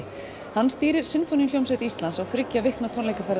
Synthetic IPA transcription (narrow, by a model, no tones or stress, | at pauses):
hanːst̪iːɾɪɾ̥sɪnfoːnjljowmsɛt̪ɪist̪lansawθɾʏcːavɪhknat̪ʰɔnlejkafɛɾ